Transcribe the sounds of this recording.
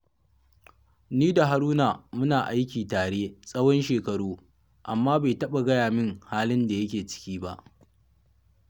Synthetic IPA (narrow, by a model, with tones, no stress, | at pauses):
niː˦da˨ɦa˨ɾuː˦naː˨mʊ˦naː˨ʔa˦jkʲiː˨taː˨ɽeː˦sʼɐ˦wɔ˦nʃeː˨kɐ˨ɽuː˦ | ʔa˨mːaː˦ba˨jtɐ˦ɓa˨ɡɐ˦jaː˨mɪ˦ŋhaː˦lɪ˦nda˨jɐ˦kʲeː˨t͡ʃɪ̥˦kʲiː˦ba̰˦ʔ